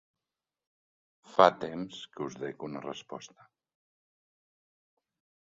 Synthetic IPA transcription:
fat̪emskəuzðekunərəspɔ̰st̪ə̥

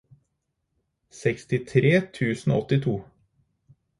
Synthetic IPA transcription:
sɛkst̪ɪt̪ʰɾeːt̪ʰʉːsn̩o̰ɔt̪ɪt̪ʰuː

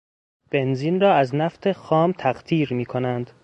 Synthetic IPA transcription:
b̥e̞nziːnrɒːæznæft̪ʰe̞xɒːmt̪ʰæɢt̪ʰiːɾmiːkʰonænd̪̥

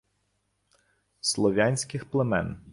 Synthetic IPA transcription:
slˠɔʋʲanʲsʲkɪxplˠemɛ̰n

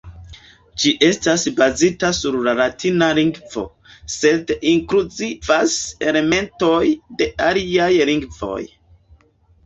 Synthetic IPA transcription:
d͡ʒiʔe̞stasbazitasuɾlaɾatʰinaliŋɡvo̞̰ | se̞diŋkɾuzivase̞le̞me̞nto̞jde̞aliajliŋɡvo̞̰j

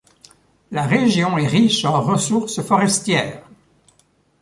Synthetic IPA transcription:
laʁeʒjɔ̃ɛʁiʃɑ̃ʁəsuʁsfɔʁɛst̪jɛːʁ

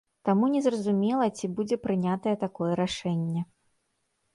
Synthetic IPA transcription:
t̪amunʲɛzrɐzumʲɛlˠɐt͡sʲibud͡zʲɛpɾɨnʲat̪ɐjɛt̪akɔjɛɾaʂɛnʲːɛ

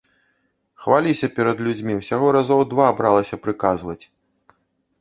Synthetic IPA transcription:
xvalʲisʲɐpʲɛɾɐd̪lʲud͡zʲmʲiwsʲaɣɔɾazɔwd̪vaːbɾalˠɐsʲɐpɾɨkazvɐt͡sʲ

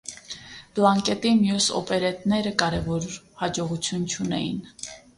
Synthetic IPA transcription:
b̥lɑŋkɛt̪imjusɔ̰pɛɾɛt̪nɛɾəkɑɾɛvɔɾ | hɑd͡ʒɔʁut͡sʰjunt͡ʃʰunɛ̰jḭn

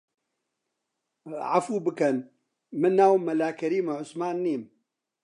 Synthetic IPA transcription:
ʕa̰fuːbɨkɐn | mɨnːaːwmɐlaːkɐɾiːmʕʊsmaːnːiːm

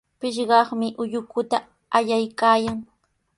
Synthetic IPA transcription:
pɪʃɢɑχmɪʔʊjʊkʊt̪a | aʎajkaːjaŋ

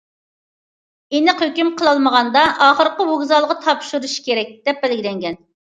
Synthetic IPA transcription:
enɨqhøkʲymqʰəlˠɑlˠməʁɑnd̪ɑʔɑːχəɾqəwoɡzɑlˠʁɑt̪ʰɑpʃuɾuʃkʲʰeɾɛk̚ʲd̪̥ɛp̚bɛlɡʲilɛŋɡʲɛn

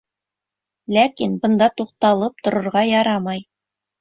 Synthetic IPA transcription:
lækinbɤ̆nd̪ɑt̪uq̚t̪ɑlˠɤp̚t̪ŏɾŏɾʁɑjɑɾɑmɑj

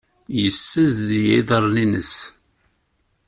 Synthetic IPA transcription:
jəsːəzðijiðˤəɾˤninəs

